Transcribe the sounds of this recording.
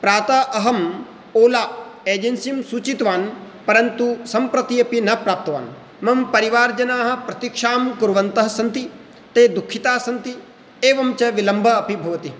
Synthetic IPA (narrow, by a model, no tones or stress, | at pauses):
pɾaːt̪aʔɐɦɐm | oːlaːeːd͡ʒensimsuːt͡ʃit̪ʋaːn | pɐɾɐnt̪usɐmpɾɐt̪iɐpinɐpɾaːp̚t̪ɐʋa̰ːn | mɐmpɐɾiʋaːɾd͡ʒɐnaːɦɐ̆pɾɐt̪ikʂaːmkuɾʋɐnt̪ɐɦɐ̆sɐnt̪i | t̪eːd̪ukʰːit̪aːsɐnt̪i | eːʋɐmt͡ʃɐʋilɐmbʱɐɐpibʱɐʋɐt̪i